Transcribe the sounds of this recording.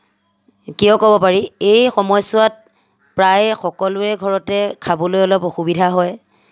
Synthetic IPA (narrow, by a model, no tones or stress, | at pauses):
kijɔkɔbɔpaɹiejxɔmɔjsʊwat̚ | pɹajxɔkɔlʊɛɡʱɔɹɔtɛkʰabɔlojɔlɔpoxubidʱaɦɔj